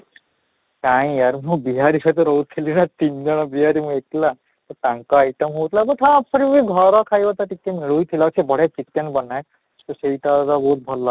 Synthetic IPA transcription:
kaj̃jaɾmũbiɦaɾikʰat̪ɔɾɔɦut̪ʰilinat̪ind͡ʒɔɽ̃ɔbiɦaɾimũekla | t̪ɔʈaŋkɔajʈɔmɦowt̪ʰilabɔt̪ʰaːpsɔɾibiɡʱɔɾɔkʰajbat̪aʈikːemiɭujt̪ʰilasʰebɔɽ̤et͡ʃikːenbɔnaj | t̪oseɦitat̪ɔbɔɦut̪̚bʱɔlːa

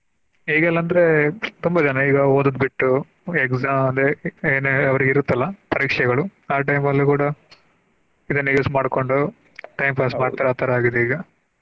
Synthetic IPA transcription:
ɦiːɡɛlːɐnd̪ɐɾet̪umbɐd͡ʒɐnɐiːɡɐoːd̪ud̪biʈːu | ekzaːmɐnd̪eeːneɐʋɐɾiɡiɾut̪ːɐlːɐpɐɾiːkʂɛɡɐɭuaːʈ̬ɐjmɐlːikuːɽɐ | id̪ɐnːɐjusmaːɖko̞ɳɖu | ʈɐjmpʰaːsmaːɽt̪ɐɾaːt̪ʰɐɾaːɡid̪eiːɡɐ

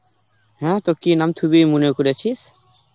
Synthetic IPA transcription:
hɛ̃t̪okinamt̪ʰubimunekuɾet͡ɕʰis

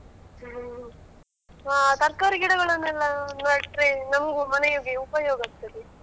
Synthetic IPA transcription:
aːt̪ɐɾkɐːɾiɡiɽɐɡɐɭɐnːɛlːɐnɐʈɾenɐmɡumɐnɐjoːɡiupɐjoːɡɐst̪ɐli

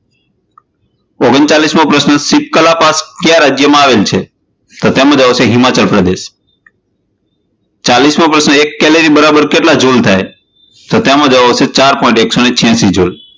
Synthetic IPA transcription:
oɡənt͡ʃalismãpɾəsnəsip̚kəlapaskjãɾad͡ʒjəmãaʋelt͡ʃʰe | t̪ot̪emãd͡ʒəʋaseɦɪmat͡ʃəlpɾəd̪eʃ | t͡ʃalismãpɾəsnəekːɛleɾibəɾabəɾkeʈlad͡ʒolt̪ʰaj | t̪ot̪jɛmãd͡ʒəʋaʋset͡ʃaɾpɔ̃ĩɳʈeksonet͡ʃʰjãsid͡ʒol

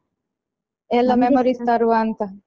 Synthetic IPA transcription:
ɛlːamemoɾist̪aɾuant̪a

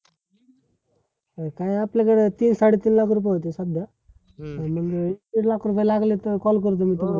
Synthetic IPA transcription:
kaĩaplekəɽet̪iːnsaɽet̪iːnlakʰɾup̬ajɦot̪esəd̪ʱja | məŋɡiʈlakʰɾup̬ajlaɡlit̪əkɔlk̬əɾut̪̬omiːt̪uk

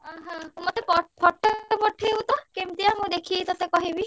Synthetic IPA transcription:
ɦãmɔt̪epɔpʰɔʈʰːɔpɔʈʰiewt̪ɔkemt̪ijamũd̪ekʰiesɔsekɔɦibi

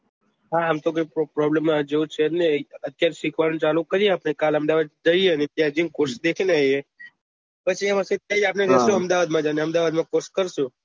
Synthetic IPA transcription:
ɦaːmt̪ok̬ojpɾɔblemːad͡ʒeũt͡ʃʰeneət̪ːjaɾeʃikʰʋanũt͡ʃalukəɾieapnekaləmd̪aʋad̪̚d͡ʒəieənet̪jad͡ʒinkoɾsd̪ekʰineaje | pət͡ʃʰiamaset̪jad͡ʒap̬ned͡ʒəʃũəmd̪aʋad̪mãd͡ʒaneəmd̪aʋad̪mãkoɾskəɾʃũ

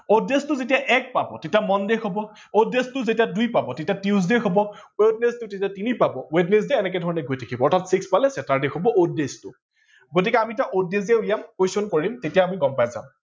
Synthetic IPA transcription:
odːestʊzetijaʔɛk̚pabɔtetijamɔndexobɔ | odːestʊzetijadujpabɔtetiatizdexobɔ | wed̚nestʊtetiatinipabɔwednes̬deːnɛk̬ɛdʱɔɹɔnɛɡojtʰekʰibɔɔɹtʰatsikspalɛsɛtaɹdexobɔʔodestʊ | ɡot̬ikɛamitaʔodeziɛulijamkojsonkoɹiimtetijaːmiɡɔmpajza̰m

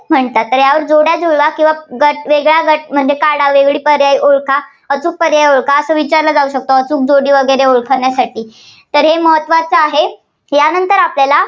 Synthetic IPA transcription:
m̤əɳt̪at̪ːəɾjaʋəɾd͡zoɽjad͡zuɭɡakĩw̃ʋaɡəʈ̚ʋeɡɭaɡəʈ̚m̤əɳd͡zekaɽaʋeɡɭiːpəɾjajʔoɭkʰa | ət͡suːk̚pəɾjajoɭkʰaəsəːʋit͡ɕaɾlad͡zauɕək̚t̪oət͡suːk̚d͡zoɽiːʋəɡəɾeoɭkʰaɳjasaʈʰiː | t̪əɾɦeməɦət̪ːʋat͡saaɦe | janənt̪əɾapljala

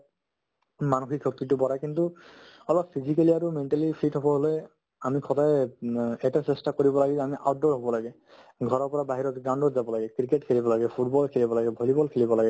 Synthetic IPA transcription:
manuxikʰːɔk̚itubɔɾajkintu | ɔlɔppʰizikaliaɹumenʈalipʰitɦɔbɔɦole | amikʰɔda | ɛtasɛstakoɹibɔlaɡizɛamiʔaʊt̚dɔɹɦɔbɔlaɡɛ | ɡʱɔɹɔɹpɔɹabaɦiɹɔtɡaw̃ndɔtzabɔlaɡɛkɹiketkʰelibɔlaɡɛpʰut̚bɔlkʰelibɔlaɡɛbʱolibɔlkʰelibɔlaɡɛ

